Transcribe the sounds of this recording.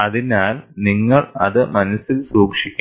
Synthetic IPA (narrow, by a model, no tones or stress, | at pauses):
ɐðinaːlniŋːɐɭɐ̰ðɨmɐnɐsːilsuːkʂikʲː